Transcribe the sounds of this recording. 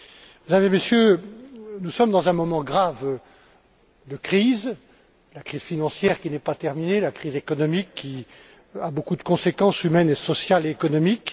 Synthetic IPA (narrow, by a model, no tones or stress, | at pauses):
med̪amzemesjø | nusɔmd̪ɑ̃zɛ̃mɔmɑ̃ɡʁav | d̪əkχiz | lakχiz̥finɑ̃sjɛʁkʲinɛpat̪ɛʁminelakχizekɔnɔmikːi | abokud̪əkɔ̃sekɑ̃symɛnesɔsjaleːkɔnɔmik